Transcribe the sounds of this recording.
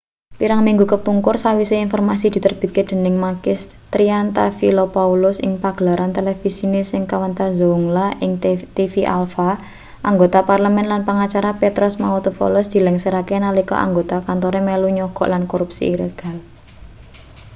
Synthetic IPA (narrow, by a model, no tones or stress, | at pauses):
piɾaŋmiŋɡukəpuŋkʊrsawiseinfɔrmasid̪̥i̤t̪ərb̥i̤t̪̚ked̪̥ə̤nɪŋmakɪs | t̪ɾiant̪afilopaulʊsɪ̰ŋpaɡ̥əlaɾʔant̪elefisinesɪŋkawant̪azoŋlaʔɪŋt̪ifiʔa̰lfa | ʔaŋɡot̪aparləmɛnlanpaŋat͡ʃaɾapet̪ɾɔsmaut̪ufɔ̰lɔsd̪̥i̤lɛŋsəɾakenalikɔ̰ʔa̰ŋɡot̪akant̪ɔɾemeluɲɔɡ̥ɔ̰ʔlankoɾup̚sḭiɾə̰ɡ̥a̤l